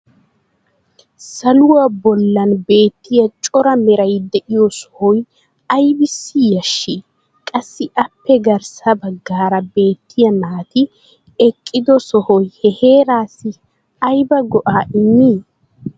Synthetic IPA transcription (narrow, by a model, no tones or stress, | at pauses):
sɐlʊwabɔlːɐnbe̞ːt̪ːɪjɐt͡ʃʼɔɾɐmɛɾɐjd̪ɛʔɪjɔsɔ̥hɔj | ɐjbɪsːɪjɐʃːi | kʼɐsːɪʔɐpːɛɡɐɾsɐbɐɡːaːɾɐbe̞ːt̪ʰːɪjɐmaːt̪ɪ | ɛkʼːɪd̪ɔsɔhɔjhɛhe̞ːɾaːsːɪ | ɐjbɐɡɔʔaːʔɪnːiː